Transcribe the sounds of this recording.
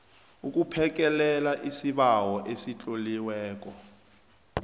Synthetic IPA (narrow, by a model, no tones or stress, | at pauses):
uk̬ʼupʰɛk̬ʼɛlɛlaʔisiɓawɔʔesit͡ɬʼoliwɛːk̬ɔ